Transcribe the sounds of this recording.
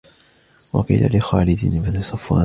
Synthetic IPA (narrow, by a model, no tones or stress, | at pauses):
wɑqḭːlʔa̰lɪxaːlɪd̪ɪnmanɪsˤɑfːua